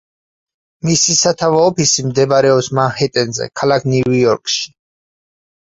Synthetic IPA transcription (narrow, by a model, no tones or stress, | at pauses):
misisat̪ʰavaɔpʰisimd̪ɛbaɾɛɔpsmanhɛt̪ʼɛnzɛ̰kʰalakʰnijɔɾkʼʃi̥